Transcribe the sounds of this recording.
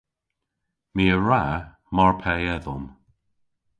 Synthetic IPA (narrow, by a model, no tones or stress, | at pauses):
miːəɹa | mɔɹpʰɛɛðɔm